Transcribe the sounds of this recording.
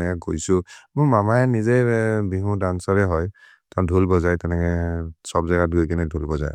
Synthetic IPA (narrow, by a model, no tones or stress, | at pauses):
nɛkɛkojsʊmʊmamaɛnizebiɦũdansaɹɛɦɔj | tɛʊ̃ndʱulbɔzajtɛnɛkɛsɔbzɛɡadukinɛdʱulbɔza̰j